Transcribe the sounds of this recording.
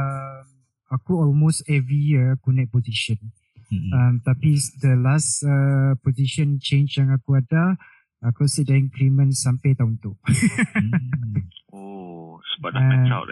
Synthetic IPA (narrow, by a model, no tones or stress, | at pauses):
əm | akuɔlmostɛvɹijiakunɛʔ̚poziʃə̃n | əmt̪apid̪əlasəpoziʃə̃nt͡ʃẽnt͡ʃjãŋakuada | akusidaĩŋklimə̃nsampat̪aunt̪uʔ | osbaa̰